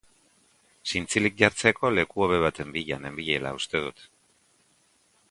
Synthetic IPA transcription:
sint͡silik̚ɟaɾt͡se̞ko̞le̞kuo̞βe̞β̞at̪e̞mbiʎane̞mbiʎela̰ust̪e̞ð̞ut̪

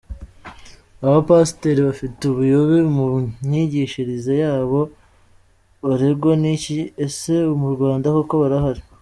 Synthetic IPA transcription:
aβapasteɾiβafiteuβujoβimuɲiɟiːʃiɾizejaːβo̞ | βaɾeɡoniciese̞umuɾɡwaːndakoko̞βaɾaɦaɾi

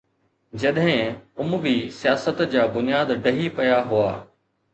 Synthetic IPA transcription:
d͡ʑɐɗɦɪ̃ʊmʊʋisijaːsət̪d͡ʑaːbʊnijaːd̪ɖɐɦipɐjaɦʊaː

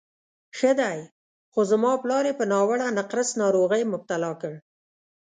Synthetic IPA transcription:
xəd̪aj | xozamɑplɑɾepənɑwaɽanaqɾəsnɑɾoɣəjmʊb̚t̪alɑkəɽ

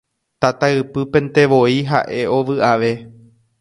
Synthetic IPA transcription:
t̪at̪aɨpɨpẽ̞nt̪e̞ʋo̞iɦa̰ʔe̞o̞ʋɨʔaʋe̞

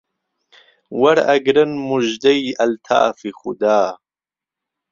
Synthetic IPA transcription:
wɐɾɐɡɾənmuʒd̪ɐjɐlt̪ʰa̰ːfixud̪aː

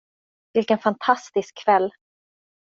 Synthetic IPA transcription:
vɪlkənfant̪ʰast̪ɪskʰːvɛlː

